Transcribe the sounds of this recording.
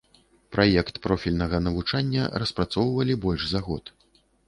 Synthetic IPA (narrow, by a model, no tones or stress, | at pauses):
pɾʔajɛkt̪pɾɔfʲilʲnɐɣɐnɐvut͡ʂanʲːɐ̰rɐspɾat̪sɔwvɐlʲibɔlʲʂzaɣɔt̪